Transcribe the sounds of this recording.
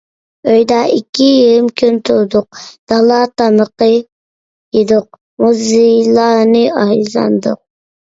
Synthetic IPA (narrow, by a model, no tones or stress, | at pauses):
øjd̪ɑikʲʰːijilˠmkʲʰynt̪ʰud̪ʊq̚d̪̥ɑlˠɑt̪ɑməqə | jed̪ʊq̚ | muzɨlˠɑːnɨɑzɑ̰nd̪ʊ̰q̚